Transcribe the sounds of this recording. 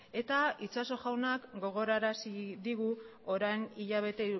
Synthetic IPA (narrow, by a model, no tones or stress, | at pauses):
e̞t̪ait͡ʃaso̞ʝawnakɡo̞ɣ̞o̞ɾaɾasiðiɣ̞uo̞ɾajniʎaβ̞e̞t̪e̞